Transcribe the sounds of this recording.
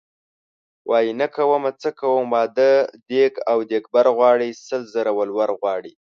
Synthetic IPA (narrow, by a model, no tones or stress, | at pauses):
wʔɑjinakawəmat͡səkawəmːɑd̪əd̪eɡawd̪ek̚baɾɣwɑɽisəlzəɾawəlwaɾɣwɑɽi